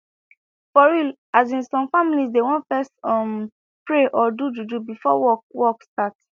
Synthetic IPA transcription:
fɔɹil | azĩnsɔ̃mfamilisdewɔ̃nfɛstɔm | pɹeʔɔdud͡ʒud͡ʒubifɔwɔwɔkstat

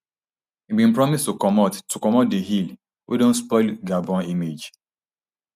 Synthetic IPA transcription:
hibĩnpɹɔmistukɔmɔttukɔmɔt̚deɦil | wʔḭdõnspɔɪlɡabɔ̃nimed͡ʒ

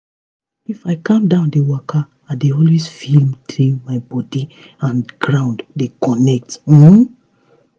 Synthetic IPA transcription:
ifaɪkãmdãʊ̃ndewaka | adeɔlwezfilmtʰĩmaɪbɔdi | ãnɡɹãʊ̃nddekɔnɛk̚t̩

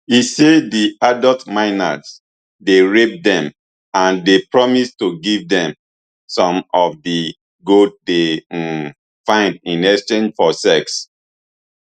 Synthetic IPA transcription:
isediadɔltmãɪna̰z | deɹep̚dɛ̃m | ãndepɹɔmistuɡivdɛ̃m | sɔ̃mɔvdi | ɡod̚de | fãɪ̃ndĩnɛst͡ʃẽnd͡ʒfɔsɛks

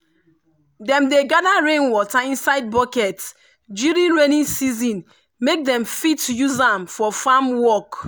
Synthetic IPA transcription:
dɛ̃mdeɡadaɹẽnwɔtaĩnsaɪd̚bɔkɛt | d͡ʒuɾĩnɹenĩnsizĩn | mek̚dɛ̃mfitjuzãmfɔfamwɔk

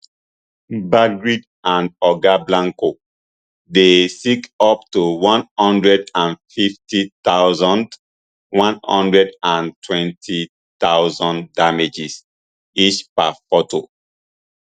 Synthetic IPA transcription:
baɡɹid | ãndɔɡablãŋko | desikɔptuwɔ̃nhɔ̃ndɹɛdãnfiftitawzɔ̃nd | wɔ̃nhɔ̰̃ndɹɛdãntʰwɛ̃ntʰi | t̪awzɔ̃ndamed͡ʒis | it͡ʃpafɔtʰo

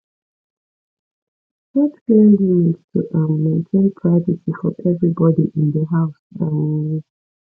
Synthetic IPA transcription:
watɡemɪz̥tʰuʔãːẽntʰẽɪ̃npʰɹ̥avəsifɔ̰ʔɛvɹibɔdiʔɪ̃nðəɦaʊsãn

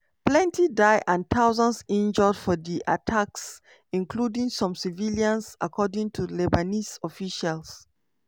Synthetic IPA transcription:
plɛ̃ntidaɪʔãnt̪ʰaʊzə̃nsĩnd͡ʒɔdfɔdiʔa̰tʰaks | ĩŋkʰludĩŋsɔ̃msiviljãnsa̰kʰɔdĩŋtʰulɛbanisɔfiʃals

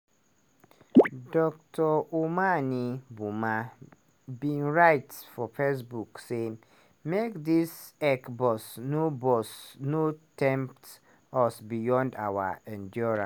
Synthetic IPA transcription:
dɔk̚tʰɔomanĩbumã | bĩnɹaɪtfɔfes̬bukse | mekdisɛkbɔsnobɔsnotʰɛ̃mp̚t | ɔsbijɔ̃nda̰wa̰ɛ̃ndɔɹã̰

